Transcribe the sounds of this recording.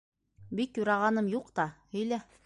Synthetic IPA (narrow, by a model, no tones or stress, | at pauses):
bikjuɾɑʁɑnɤmjuqt̪ɑhɵ̆jlæ